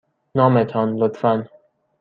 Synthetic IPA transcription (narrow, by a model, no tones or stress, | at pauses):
nɒːmet̪ʰɒnlot̪fæn